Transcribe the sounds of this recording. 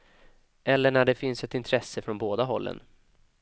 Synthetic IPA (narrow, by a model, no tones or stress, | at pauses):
ʔɛlːəɳæɖɛfɪnsɛt̪ɪnt̪ʰɾɛsːəfɾɔnboːd̪aɦɔlːə̰n